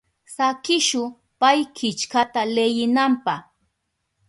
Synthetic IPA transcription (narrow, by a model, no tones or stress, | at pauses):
sakɪʃʊ | pajkɪt͡ʃkat̪alejɪnampah